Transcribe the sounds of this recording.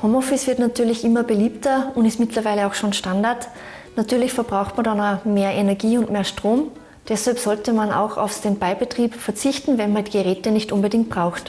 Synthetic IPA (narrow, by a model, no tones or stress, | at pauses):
hoːmɔfɪsv̥ɪɐtnatʰyːɐlɪçʔɪmɐbəliːptɐʊntɪstmɪtlɐvaɪləaʊxʃoːnʃtandaɐt | natʰyːɐlɪçfɛɐb̥ʁaʊxtmandanameːɐʔɛnɛɐɡiːʊntmeːɐʃtʁ̥oːm | d̥ɛshalpsɔltəmana̰ʊxa̰ʊfsd̥enb̥aɪbətʁ̥iːpfɛɐt͡sɪçtn̩vɛnmandiːɡəʁɛːtənɪçtʔʊnbədɪŋkt̚b̥ʁ̥aʊxt